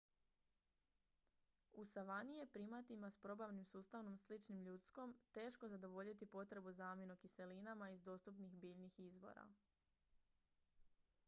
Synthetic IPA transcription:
usaʋanijepɾimat̪imaspɾo̞baʋnimsuːst̪aʋno̞mslit͡ʃnimʎut̪sko̞mt̪e̞ːʃko̞zad̪o̞ʋo̞ʎit̪ipo̞t̪ɾe̞buzaːmjenokise̞linamaizd̪o̞ːst̪upnixbiːʎnixizʋo̰ɾa̰

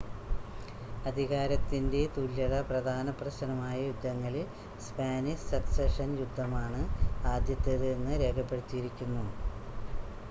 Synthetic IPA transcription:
ɐd̪ʱiɣaːɾɐt̪ːinde̞t̪ulːɐɽɐprɐd̪ʱaːnɐprɐɕɐnɐmaːjɐjud̪ʱːɐŋːɐɭil | spaːnisɐkseʂɐnjud̪ʱːɐmaːɳɨaːd̪jɐt̪ːeðenːɨɾe̞ːkʰɐpːe̞ɽit̪ːijiɾikʲːunːu

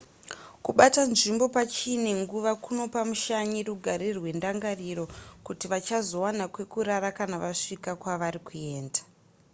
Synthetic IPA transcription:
kuɓatanʐimbo̞pat͡ʃine̞ŋɡuʋakuno̞pamuʃaɲiɾuɡʱaɾirwe̞ndaŋɡariɾo̞kutiʋat͡ʃazo̞wanakwe̞kuɾaɾakanaʋaʂikakwaʋaɾikue̞ːndḁ

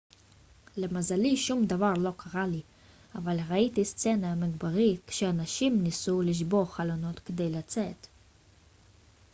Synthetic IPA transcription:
le̞mazaliʃumd̪avaʁlo̞kʰaʁali | avalʁait̪ist͡se̞naamiɡbaʁikʃeanaʃimnisuliʃ̬bo̞χalono̞t̪ked̪e̞jlat͡set̪

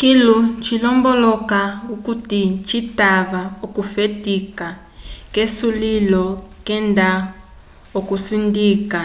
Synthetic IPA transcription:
kilut͡ʃʰilɔmbɔlɔkaukutit͡ʃʰitaβaukufetika | kesulilɔkɛnda | okusindiːka

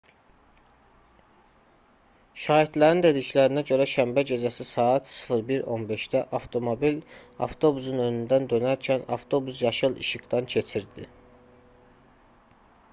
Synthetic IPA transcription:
ʃɑːid̪læɾind̪e̞d̪iclæɾinæɟø̞ɾæʃæmbæd͡ʒezæsisɑːɑt̪sɯ̥fɯɾbiɾo̞̰nbe̞ʃd̪æʔɑft̪ʰo̞mobilɑ̰ft̪ʰo̞busunø̞nynd̪ænd̪ø̞næɾcʰænɑ̰ft̪ʰo̞busjɑʃɯlˠḭʃɯɡd̪ɑncʰe̞t͡ʃʰiɾd̪i

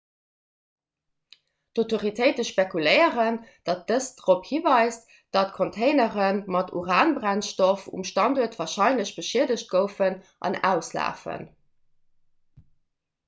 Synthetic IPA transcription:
d̥otoʁitʰəɪtəʃpekulɜɪəʁənd̥ɑt̚əsd̥ʁophivɑɪst | d̥ɑt̚kʰontʰeɪnəʁənmɑtʰṵʁaːnbʁænʃtofṵmʃtɑnduːɐtvaːɐʃɑɪnləɕb̥əʃiədəɕt̚ɡ̥əʊfən | ʔɑ̰næ̰ʊslæ̰ːfə̰n

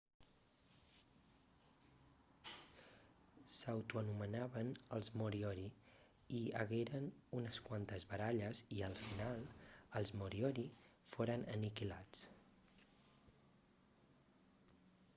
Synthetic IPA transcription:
səwt̪uənumənaβənəlˠzmuɾiɔɾi | iə̰ɣeɾənunəskwant̪əzβəɾaʎəziəlˠfinalˠəlˠzmuɾiɔɾi | foɾənənikilat͡s

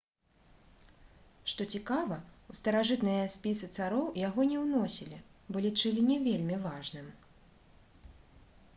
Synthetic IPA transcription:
ʂt̪ɔt͡sʲikavɐust̪ɐɾaʐɨt̪nɨjɐsʲpʲisɨt̪saɾɔwjaɣɔnʲɛwnɔsʲilʲibɔlʲit͡ʂɨlʲinʲɛvʲelʲmʲivaʐnɨm

